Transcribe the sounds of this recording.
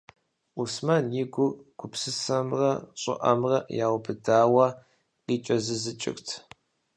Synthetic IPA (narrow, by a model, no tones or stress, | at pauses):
usmɐnjiɡʷʊrɡ̥ʷʊpsɨsɐmrɐɕʼɪ̰ʔɐ̰mrɐjaːwbʰɨdaːwɐ | qiːt͡ʃʼɐzɨzɨt͡ʃʼɪ̰ktʰ